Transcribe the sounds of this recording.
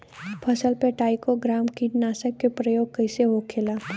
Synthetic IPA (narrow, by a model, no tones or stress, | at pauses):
pʰɐsəlpeʈaːɪkoɡɾaːmkiʈnaːsəkːepɾɐjoːɡ̚kɐɪseɦokʰeːlaː